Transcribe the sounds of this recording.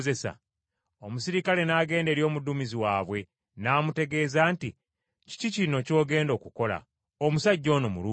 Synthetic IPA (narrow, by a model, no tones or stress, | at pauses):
ze̞sa̰ | omusiɾikale̞naːɡe̞ːnde̞ɾjo̞ːmudumiziwaːβwe̞ | naːmute̞ɡe̞ːzaːnti | ci̥cicino̞co̞ːɡe̞ːndo̞ːkuko̞la̰ | omusaɟːo̞ːnomṵluː